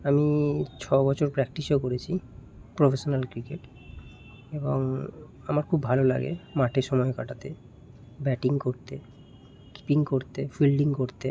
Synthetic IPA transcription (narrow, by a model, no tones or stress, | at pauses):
amit͡ɕʰɔbɔt͡ɕʰoɾpɾɛkʈiʃokoɾet͡ɕʰi | pɾofeʃonalkɾikeʈ | eboŋ | amaɾkʰubːʱalola̰ɡḛmaʈʰeʃɔmɔekaʈat̪e | bɛʈiŋkoɾt̪e | ki̥piŋkoɾt̪efilɖiŋkoɾt̪e